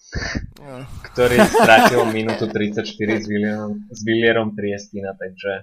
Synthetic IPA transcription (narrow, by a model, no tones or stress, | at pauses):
kt̪oɾijst̪ɾatʲilˠɔminut̪ut̪ɾit̪sat͡ʃt̪iɾizzviljɛɾɔmt̪ɾiɛst̪inat̪aɡd͡ʒɛ